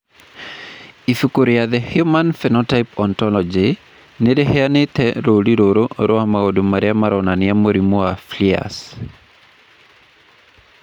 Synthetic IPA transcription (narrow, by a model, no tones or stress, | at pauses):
ifukuɾjaðɛhjumanfɛnɔtajpɔntɔlɔd͡ʒɪ | nɪdɛɦɛanɪt̪ɛɾoliɾoɾoɾɔamaɡodumaɾjamaɾɔnaniamoɾimuaflia̰s